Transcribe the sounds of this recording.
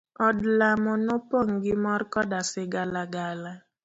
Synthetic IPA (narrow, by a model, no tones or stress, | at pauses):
ɔdlamʊnʊpoŋ̩ɡɪmɔɾkɔdasɪɡalaɡala